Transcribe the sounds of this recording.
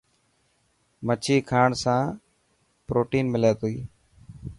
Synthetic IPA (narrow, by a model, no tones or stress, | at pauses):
mət͡ʃʰiːkʰaːɳsãː | pɾoːʈiːnmɪleːt̪oiː